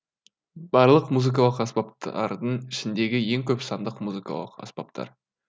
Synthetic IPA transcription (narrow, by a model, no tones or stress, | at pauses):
b̥ɑɾlˠəqmuzɨk̬ɑlˠəqɑsbɑp̚t̪ɑ̰ɾd̪əɴɪʃɪnd̪e̞ɡʲɪje̞ŋkʲʰɵpsɑnd̪əqmuzɨkɑ̰lˠəqɑ̰sbɑ̰p̚t̪ʰɑ̰ɾ